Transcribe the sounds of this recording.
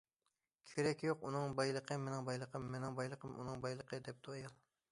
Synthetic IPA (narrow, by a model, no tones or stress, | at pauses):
kʲʰeɾɛkʲjoqunɨŋbɑjlˠəqʰəmɪnɪŋbɑjlˠəqʰəmːɪnɪŋbɑjlˠəqʰəmʔṵnɨŋbɑjlˠəqʰəd̪ɛp̚d̪ʰuɑjɑlˠ